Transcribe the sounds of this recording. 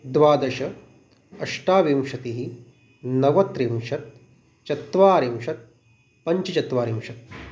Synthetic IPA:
d̪ʋaːd̪ɐʃɐ | ɐʂʈaːʋimʃɐt̪iɦi | nɐʋɐt̪ɾimʃɐt̪̚ | t͡ʃɐt̪ʋaːɾimʃɐt̪̚ | pɐɲt͡ʃit͡ʃɐt̪ʋaːɾimʃɐt̪̚

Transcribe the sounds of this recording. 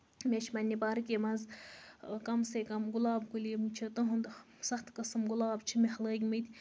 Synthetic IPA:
mʲet͡ʃʰimɐnʲːipaːɾɨkʲemɐnz | kɐmsekɐmɡʊlaːbkulʲimt͡ʃʰit̪ɐɦund̪ | sɐxt̪ʰkɐsɐmɡʊlaːbt͡ʃʰimihɐləːɡʲimɨt̪ʰʲ

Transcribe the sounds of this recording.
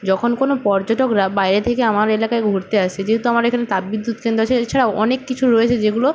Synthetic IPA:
d͡ʑɔkʰonkonopɔɾd͡ʑɔʈokɾabajɾet̪ʰekeamaɾelakaeɡʱoɾt̪eaʃed͡ʑeɦet̪uamaɾekʰanet̪abbid̪ːut̪̚kend̪ɾoaʃʰeet͡ɕʰaɽaɔ̰nekːit͡ɕʰuɾoet͡ɕʰed͡ʑeɡulo

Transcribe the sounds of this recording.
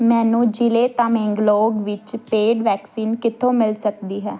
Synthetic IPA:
mɛ̃ːnũːd͡ʒɪleːt̪ãːmẽːŋɡloːɡʋɪt͡ʃpeːɖʋɛːksiːnkɪt̪ʰːõːmɪlsək̚d̪iːɦɛː

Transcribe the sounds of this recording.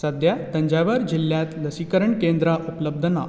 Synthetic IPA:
səd̪jat̪əɲd͡ʑaʋaɾd͡ʑilːjat̪ləsikəɾəɳkẽnd̪ɾaʔupləb̚d̪ʱəna

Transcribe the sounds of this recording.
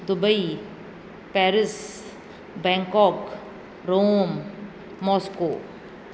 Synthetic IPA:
d̪ʊbəi | pɛːɾɪs | bɛ̃ŋkɔːk | ɾoːmː | ɔːskoː

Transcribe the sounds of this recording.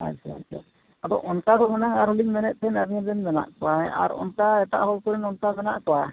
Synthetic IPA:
a̰jsɛa̰jsɛ̰ | at̪ɔ̰ʔɔnkakɔmɔnaŋaɾhuliŋmɛnɛt̪̚ˀt̪ʰɛnaɾiad̪ɛnbɛna̰ʔkɔwaja̰ɾɔ̰nkaɛt̪a̰ʔhɔlkɔɾɛnɔntabɛnaʔkɔwa

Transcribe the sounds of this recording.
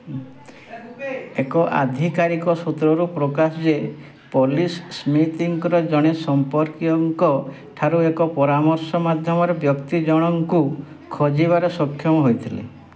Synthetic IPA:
ekɔʔa̰d̪ʱikaɾikɔsut̪ɾɔɾupɾɔkasɔd͡ʒe | polisːmit̪iŋkɾɔd͡ʒɔɽ̃esɔmpɔɾkiɔŋkɔ | ʈʰaɾuekɔpɔɾamɔɾsɔmad̪ʱjɔmɔɾebjɔkt̪id͡ʒɔɽ̃ɔŋku | kʰɔd͡ʒiβaɾɔsɔkʰːjɔmɔɦojt̪ʰilḛ

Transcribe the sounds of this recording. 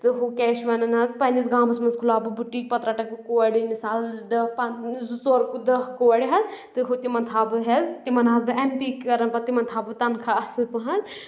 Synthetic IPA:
t̪ɨɦokɛːʃʋɐnɐnɦɐzpɐnʲizɡãːbɐsmɐnzkʰulaːbɨbuʈːik̚pɐt̪ɾaʈɐkɨkoɐɽimisaːld̪ɐpɐzusoɾkd̪ɐɦkoɐɽiɦɐzt̪ɨɦot̪imɐnt̪ʰaːbɨɦɐzt̪imɐnɦɐzd̪ɨempikːɐɾɐnpɐt̪imɐnt̪ʰaːbɨt̪ɐnkʰaɐsɨlpɨɦɐz

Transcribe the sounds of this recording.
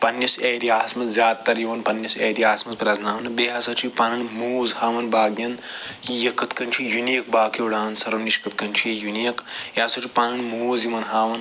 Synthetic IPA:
pɐnjɐseːɾiaːsmɐzzʲjaːd̪̚t̪ɐɾjiʋɐnpɐnːjɐseːɾiaːsmɐzpɾʲaznaːmnɨbeɦɐsɐt͡ʃʰupaːnɐnmuːzhaːʋɐnbaːɡjɐnjijɐkːɨt̪kɐnt͡ʃʰujunik̚baːkʰiwɽaːnsɐɾɐmniʃkɨt̪̚kɐnt͡ʃʰujɐjuniɐkjaːsɐt͡ʃʰupaːnɐnmuːzjiʋɐnɦaːʋɐn

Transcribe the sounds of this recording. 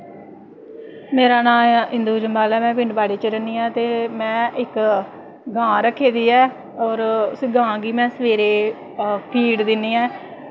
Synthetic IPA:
meːɾaːnãːɪ̃nd̪uːd͡ʒəmbaːlɛːmɛ̃ːpɪ̃ɳɖbaːɽeːt͡ʃəɾənːiːɛ̃ːt̪eːmɛ̃ːɪk | ɡãːɾəkʰːeːd̪iːɛː | ɔːɾsɡãːɡiːmɛ̃ːsəʋeːɾeː | pʰiːɽd̪ɪnːiːɛː

